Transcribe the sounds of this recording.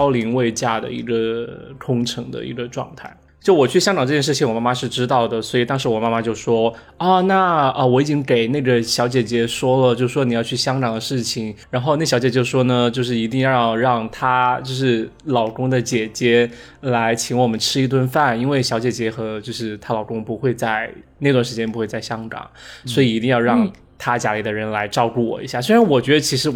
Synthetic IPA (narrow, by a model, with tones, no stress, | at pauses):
ʊli˧˥ŋwe˥˧ɪt͡ɕja˥˩d̪ə̰˩ḭ˧˥ɡə˧kʰʊ˥ŋʈ͡ʂʰɤ˧˥ŋd̪ə̰˧ḭ˧˥ɡə˧ʈ͡ʂwɑ̰˥˧ŋt̪ʰa˥˩ɪt͡ɕjo˥˩wɔ˨˩t͡ɕʰy˥˩ɕjɑ˥ŋʈ͡ʂɑ˨ŋʈ͡ʂɤ˥˩jɛ˥nʂɻt͡ɕʰi˧˥ŋwɔ˨˩ma˥˩ma˧ʂɻ̩˥˩ʈ͡ʂɻ̩˥t̪ɑ˥˩ʊd̪ə˩swɔ˧˥i˨˩t̪ɑ˥ŋʂɻ̩˧˥wɔ˨˩ma˥ma˧t͡ɕjo˥˩ʊʂwɔ˥ | ɐ˥˧na˥˩ə˧wɔ˧˥i˨˩t͡ɕi˥ŋke˨˩ɪne˥˩ɡə˩ɕjɑ˧˥ʊt͡ɕjɛ˨˩t͡ɕjɛ˧˥ʂwɔ˥lə˨t͡ɕjo˥˧ʊʂɻ̩˥˩ʂwɔ˥n˨˩jɑ˥˧ʊt͡ɕʰy˥˩ɕjɑ˥ŋʈ͡ʂɑ˨˩ŋd̪ə˦ʂɻ̩˥˩t͡ɕʰi˨˩ŋɻa˧˥nxo˥˧ʊn˥˩ɕjɑ˧˥ʊt͡ɕjɛ˨˩t͡ɕjo˥˧ʊ˩ʂwɔ˥nə˨t͡ɕjo˥˧ʊʂ̬ɻ̩˥˩i˧˥t̪i˥˧ŋjɑ˥˧jɑ˥˧ʊɻɑ˥˩ŋt̪ʰa˥t͡ɕjo˥˧ʊʂɻ̩˥˩lɑ˨˩ʊkʊ˥ŋd̪ə˨t͡ɕjɛ˨˩t͡ɕjɛ˧˥ | la˧˥ɪt͡ɕʰi˧˥ŋwɔ˨˩mə˦nʈ͡ʂʰɻ̩˥i˥˧t̪̬wə˥˧nfa˥˩ni˥nwe˥˩ɪɕjɑ˧˥ʊt͡ɕjɛ˨˩t͡ɕjɛ˧˥xɤ˧˥t͡ɕjo˥˧ʊʂɻ̩˥˩t̪ʰa˥lɑ˨˩ʊkʊ˥ŋpu˧˥xwe˥˧ɪt͡sa˥˧ɪna˥˩ɪt̪wa˥˩n˩ʂɻ̩˧t͡ɕjɛ˥npu˧˥xwe˥˧ɪt͡sa˥˩ɪɕjɑ˥ŋkɑ̰˨˩˦ŋswɔ˧˥i˨˩i˧˥i˥˧ŋjɑ˥˧ʊɻɑ˥ŋ | t̪ʰa˥t͡ɕja˧˥li˧˩d̪ə˩˧ɻə˧˥nla˧˥ɪʈ͡ʂɑ˥˧ʊku˥˩wɔ̰˨˩i˧˥ɕja˥˩swe˥ɻa˧˥nwɔ˨˩t͡ɕɥɛ˧˥d̪ə˧t͡ɕʰi˧˥ʂɻ̩˧˥